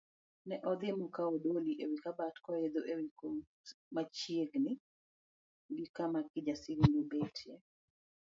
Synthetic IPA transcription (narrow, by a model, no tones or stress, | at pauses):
nɛʔɔd̪ɪmɔkaɔdoliʔewikabatkɔed̪oʔewiko | mat͡ʃjieɡnɪ | ɡikamakɪd͡ʒasɪɡundobetʰjɛ